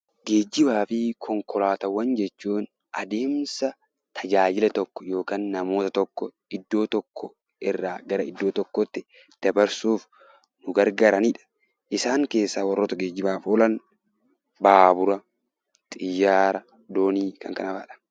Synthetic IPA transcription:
ɡe̞ːd͡ʒːɪbaːfɪkʰɔŋkʰɔlaːt̪ɐwːɐnd͡ʒɛt͡ʃːuːn | ʔɐd̪e̞ːmsɐ | t̪ʰɐd͡ʒaːd͡ʒɪlɛt̪ɔkːɔ̥jo̞ːkaːnːɐmo̞ːt̪ɐt̪ɔkːɔ | ɪd̪ːo̞ːt̪ɔkʰːɔ | ɪrːaːɡɐɾɐɪd̪ːo̞ːt̪ɔkːɔt̪ːɪ | d̪̥ɐbɐɾsuːf | nʊɡɐɾɡaːɾɐniːᶑɐ̥ | ʔɪsaːŋke̞ːsːaːwɐrːoːt̪ɐɡeːd͡ʒːɪbaːfoːlɐn | baːbʊɾɐ | t̪ʼɪjːaːɾɐ | d̪oːniːkʰɐŋkɐ̰nɐba̰ːᶑɐ̥

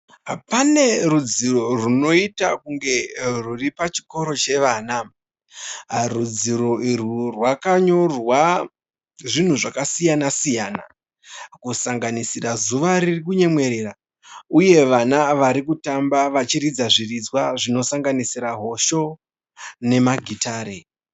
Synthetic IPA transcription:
pane̞ɾud͡ziro̞runo̞itakuŋɡe̞ruripat͡ʃi̥ko̞ɾo̞t͡ʃe̞ʋaːna | rud͡ziɾo̞irurwakaɲo̞rwa | ʐin̤uʐakasijanasijaːna̰ | kusaŋɡanisirazuʋaɾirikuɲe̞mwe̞ɾeːra | uje̞ʋanaʋaɾikutambaʋat͡ʃiɾid͡zaʐirid͡zwaʐino̞saŋɡanisiɾaɦo̞ʃo̞ | ne̞maɡʱitaːɾe

